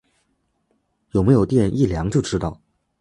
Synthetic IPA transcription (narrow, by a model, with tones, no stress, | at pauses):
jo˨˩me˧˥ɪjo˨˩ʊt̪̬jɛ˥˧nʔi˥˩ljɑ˧˥ŋt͡ɕjo˥˧ʊʈ͡ʂɻ̩˥t̪ɑ˥˩ʊ